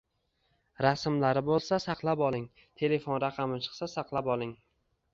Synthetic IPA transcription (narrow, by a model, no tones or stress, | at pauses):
ɾasmlaɾɪbolˠsasaqlˠapɒlˠɪŋ | t̪ʰe̞le̞fonɾaqʰɑmɪt͡ʃʰɨ̥qsasɑqlˠapɒlˠɪŋ